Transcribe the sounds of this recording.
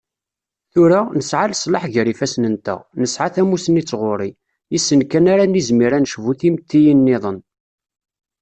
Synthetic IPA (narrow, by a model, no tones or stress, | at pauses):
θʊɾanəsʕaləsˤlɑħʝəɾifæsnənt̪æ̰nəsʕaθæmusənit͡sːʁoɾˤi | jisːənkænaɾanizmiɾænʃvuθimt̪ːijənːɪðˤən